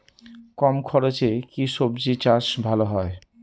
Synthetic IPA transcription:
kɔmkʰɔɾot͡ɕekiʃobd͡ʑit͡ɕaʃbʱaloɦɔe

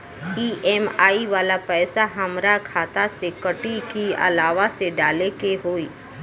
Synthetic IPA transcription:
iːɛːmaːiʋaːlapɛːsaɦɐmɾakʰaːt̪asekəʈikiɐ̰laːʋaseɖaːlekeɦoːiː

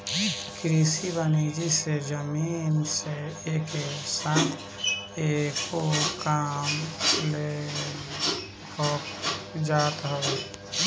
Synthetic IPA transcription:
kɾisibəned͡ʒised͡ʒəmiːnseːkesat̪ʰ | eːkokaːmle | hʰɔːkd͡ʒaːt̪ɦo

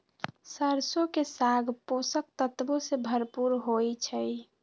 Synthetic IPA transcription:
səɾsokesaɡʱposək̚t̪ət̪bosebʱəɾpuɾɦojt͡ʃʰəj

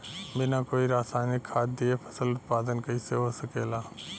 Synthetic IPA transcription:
bɪnakoːiɾaːsaːnɪkʰːaːd̪̚d̪iepʰəsəlʊt̪̚paːd̪ənkɐiseɦosəkeːlaː

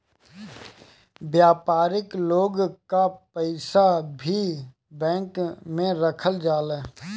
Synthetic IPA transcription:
bjaːpaːɾɪkloːɡkapəɪsabʱi | bɛ̃ːŋkmẽɾəkʰəld͡ʒaːlɛː

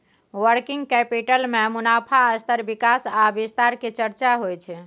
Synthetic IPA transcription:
wəɾkiŋɡkɛpiʈəlmemunapʰaəst̪əɾbikasabist̪aɾket͡ʃəɾt͡ʃaɦojt͡ʃʰɛ

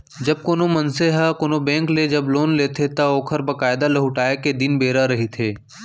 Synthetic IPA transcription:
d͡ʒɐb̚koːnomɐnseɦakoːnobɛ̃ːŋkled͡ʒɐbloːnleːt̪ʰet̪ɐɔːkʰəɾbɐkaːɪd̪alɐɦʊʈaːeked̪ɪnbeːɾaɾɐɦit̪ʰeː

